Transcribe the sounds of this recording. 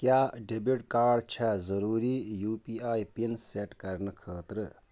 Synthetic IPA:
kjaːɖebiʈkaːɖt͡ʃʰɐzəɾuːɾijuːpiaːjpinseʈkɐɾnəkʰəːt̪ɾə

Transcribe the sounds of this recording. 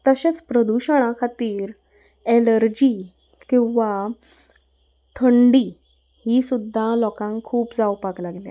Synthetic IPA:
t̪əɕet͡spɾəd̪uɕəɽ̃akʰat̪iːɾ | eləɾd͡ʑi | kĩw̃ʋa | t̪ʰəɳɖi | hiːsud̪ʱːalɔkãŋkʰuːpd͡zawpaklaɡlja̰

